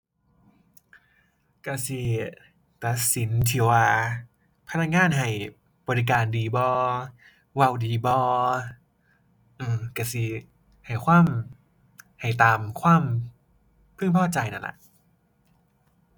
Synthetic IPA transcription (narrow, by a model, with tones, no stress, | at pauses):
ka˧˩si˧˩ | t̪a˨˧˦t̪̚si˨˦nt̪ʰi˧˦waː˧˩ | pʰa˧na˦˥k̚ŋaː˧˥˨nɦa˧˩j | bɔː˧ɾi˧k̬aː˧ndiː˧bɔː˧ | wa˧˩wdiː˧bɔː˧ | ʔɯː˧˩ka˧˩si˧˩ | ha˨˩jkʰwaː˧˥˩m | ha˨˩jt̪aː˨mkʰwaː˧˥˩m | pʰɯ˥˨ŋpʰɔː˥˩t͡ɕa˧jna̰˧˩la̰˧˩ʔ